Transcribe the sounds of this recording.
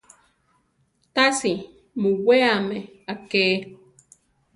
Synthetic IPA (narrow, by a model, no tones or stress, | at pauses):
t̪asi | mũweameakeː